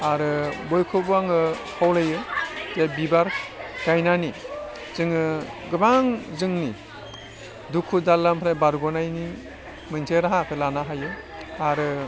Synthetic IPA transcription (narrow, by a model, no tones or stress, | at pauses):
aɾɯbɔjkʰɯbuaŋɯkʰawlajɯzebibaɾkajnani | z̥ɯŋɯɡɯbaŋzɯŋni | dukʰːudalːampʰɾajbaɾɡɔnajni | mɯnsʰeɾaɦakʰɯlanaɦajɯ | aɾɯ